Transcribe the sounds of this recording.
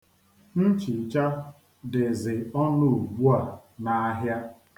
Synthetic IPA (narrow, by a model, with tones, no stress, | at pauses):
n̩˦t͡ʃi˨t͡ʃa˦ | dɪ˨zɪ˨ɔ˦nʊ˦˨ɡ͡bu˦a˨ | na˨a˦ɦja˦